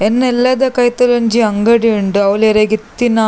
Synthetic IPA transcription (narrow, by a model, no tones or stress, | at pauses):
enːelːɐd̪ɐkɐjt̪ːɐlɐɲd͡ʑiɐŋɡɐɽijuɳɖɨɐʋleɾeɡit̪ːinɐ